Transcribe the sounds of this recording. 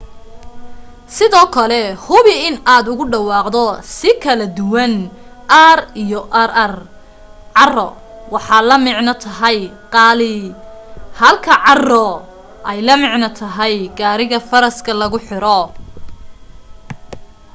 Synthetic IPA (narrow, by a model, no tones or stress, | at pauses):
sɪðɔːkʰɐlɛhʊβɪɪnaːd̪ʊɣʊɖɑwɑːqd̪ɔsɪkʰɐlɐd̪ʊwɐn | ʔɐrijɔʔɐɾɐr | ʕɑrɔ̰ | wɑħɑːlɐmɪʕnɐt̪ʰɐɦɐjqɑːlɪ | hɐlkʰɐʕɑrɔ | ʔɛjlɐmɪʕnɐt̪ʰɐɦɛjɡaːɾɪɣɐfɐɾɐskʰɐlɐɣʊħɪɾɔ